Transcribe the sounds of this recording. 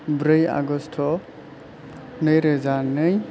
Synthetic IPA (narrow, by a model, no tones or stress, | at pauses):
bɾɯja̰ɡɔstʰɔ | nɯjɾezanɯj